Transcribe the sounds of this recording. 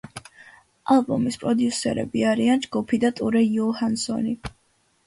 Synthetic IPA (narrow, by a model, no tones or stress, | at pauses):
alˠbɔmispʼɾɔd̪jusɛ̰ɾɛ̰biaɾiand͡ʒɡupʰid̪at̪ʼuɾɛjɔhansɔ̰ni